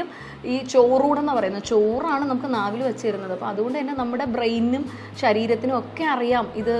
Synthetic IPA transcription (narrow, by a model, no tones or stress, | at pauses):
um | iːt͡ɕoːruːɽe̞nːɐpɐrɐjunːɐðɨt͡ɕo̞ːraːɳɨnɐmukːɨnaːʋilʋɐt͡ɕːiɐɾunːɐðɨɐpːo̰mɐðuɣo̞ɳɖɨenːenɐmːuɽe̞brejnːum | ɕɐɾiːɾɐt̪ːinuo̞kːe̞ɐrijaːmiðɨ